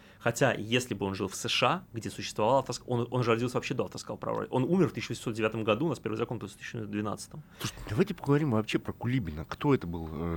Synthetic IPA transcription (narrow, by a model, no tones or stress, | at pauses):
xɐtʲajesʲlʲɪbɨo̞nʐɨlˠfsəʂɨaɡdʲesʊɕːɪst̪vɐvalˠaft̪əskonʔo̞nʐɾɐdʲilˠsʲəvɐpɕːed̪oɐft̪əska̰lˠpɾɐ̰ɾo̰lʲʔo̞numʲɪrft̪ɨɕːʊɪvəsʲɪmsodʲɪvʲat̪əmɡɐd̪unaspʲevɨzɐkonpɾʲft̪ɨ̥ɕːd̪vʲɪna̰t̪sɨ̥t̪əmˠuʂtʲɪd̪ɐvajtʲɪpəɡəvɐɾʲimvɐpɕepɾəkʊlʲibʲɪnəkt̪o̞ɛt̪əbɨlˠə